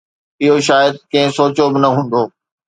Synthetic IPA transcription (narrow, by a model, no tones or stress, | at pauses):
ɪɦoʃaːjəd̪̚kɐ̃ɦɪ̃soːt͡ɕobɪnɐɦũːnd̪oː